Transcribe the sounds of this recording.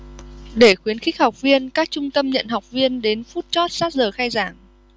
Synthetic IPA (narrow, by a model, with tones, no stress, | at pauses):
ɗe˧˩xwi˨˦ənxi˦˥k̟̚ha˨˩wk͡p̚vi˧ənkaː˦˥k̚t͡ɕʊ˧ŋ͡mt̪ə˧mɲə̰˧˨nɦa˨˩wk͡p̚vi˧ənɗe˨˦nfu˦˥t̚t͡ɕɔ˦˥t̚saː˦˥t̚zəː˨˩xaː˧jzaː˧˩ŋ